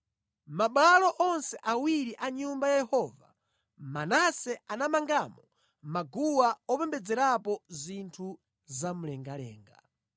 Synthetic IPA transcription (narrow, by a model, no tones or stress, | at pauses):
maɓalɔʔɔnsɛʔawiɾiʔaɲumbajjɛhɔːva̰ | manasɛanamaŋɡamɔ | maɡuwaɔpɛmbɛd͡zɛɾapɔzintʰu | zamulɛŋɡalɛ̰ːŋɡa̰